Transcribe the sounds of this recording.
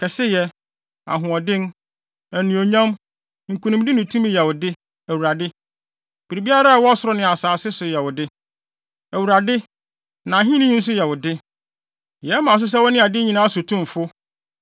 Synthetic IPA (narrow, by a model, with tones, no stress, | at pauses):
kʰɛ˨sɪ˦jɛ˦ | a̰˨ɦʊ̃˨ɔ˨dɪ̃˦n˦ | æ˨nĩ˨o˨ɲã˦m | ŋ̩˨kʰu˨nũ˨m˦dɪ˦nɪ̃˨tʰũ˦mɪ̃˦jɛ˨wʊ˨dɪ˦ | æ˨wu˨ɾa˨dɪ˦ | b̥i˨ɾi˨bi˦a˦ɾa˦a˨wɔ˦sʊ˦ɾɔ˦nɪ̃˨a˨saː˨sɪ˦sʊ˨jɛ˨wʊ˨dɪ˦ | æ˨wu˨ɾa˨dɪ˦ | nã˨ɦĩ˦nĩ˦ɲ̃˦n̩˦s̬ʊ˦jɛ˨wʊ˨dɪ˦ | jɛ˨˦mã˨s̬ʊ˦s̬ɛ˦wɔ˦nɪ̃˦a˨dɪ˦ɲĩ˨nãː˦sʊ˨tʰũ˦m˨fʊ˦